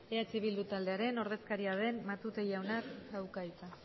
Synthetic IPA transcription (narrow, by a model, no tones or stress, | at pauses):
eat͡siβild̪ut̪ald̪e̞aɾe̞no̞ɾð̞e̞skaɾiað̞e̞nmat̪ut̪ejawnaksawkajt͡s̪a